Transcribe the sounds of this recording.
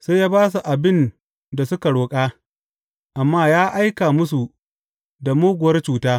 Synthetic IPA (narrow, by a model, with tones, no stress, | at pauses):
sa˦jaː˦baː˦s̬u˨ʔa˨bɪ˦n | da˨sʊ˦ka˨ɽoː˨kʼaː˦ | ʔa˨mːaː˦jaː˦ʔa˦jkaː˨mʊ˦su˨ | da˨moː˦ɡʷʊ˨wɐ˦rt͡ʃuː˨taː˦